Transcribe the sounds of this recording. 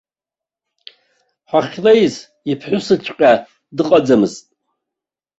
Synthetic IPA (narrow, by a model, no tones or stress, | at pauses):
ħʷaχʲlejz | ipʰħʷʊsɨt͡ʃʷʰʼqʲʼa | dɨqʼad͡zamɨztʼ